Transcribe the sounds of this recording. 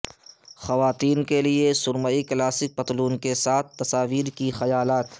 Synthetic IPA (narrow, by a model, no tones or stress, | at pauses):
xɐʋaːt̪iːnkeliesʊɾməiklaːsɪk̚bɐt̪luːnkesaːt̪̚ʰt̪ːɐsaːʋiːɾkixɐjaːlaːt̪